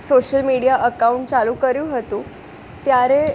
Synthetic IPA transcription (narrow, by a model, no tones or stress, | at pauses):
soɕəlmiɽijaʔəkauɳʈt͡saluːkəɾjuːɦət̪uː | t̪jaɾe